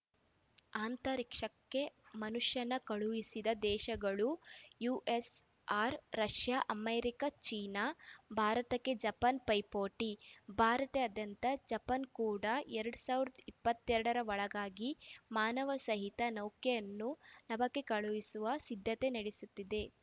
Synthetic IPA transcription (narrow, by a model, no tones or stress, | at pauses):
aːnt̪ɐɾikʂɐkːe̞mɐnuʂjɐnːɐkɐɭuʋisid̪ɐd̪ɛːʃɐɡɐɭujuːʔes | aːɾɾɐʃjaʔɐmeːɾikɐt͡ʃiːnabʱaːɾɐt̪ɐkːe̞d͡ʒɐpɐnpɐjpoːʈibʱaːɾɐt̪eɐd̪jɐnt̪ɐd͡ʒɐpɐnkuːɽɐɛɾɐɽusaːʋiɾɐd̪ɐipːɐt̪ːɛɾɐɽɐɾɐʋɐɭɐɡaːɡimaːnɐʋɐsɐɦit̪ɐnɐwkjejɐnːunɐbɐkːe̞kɐɭuʋisuʋɐsid̪ʱːɐt̪e̞nɐɽesut̪ːid̪e̞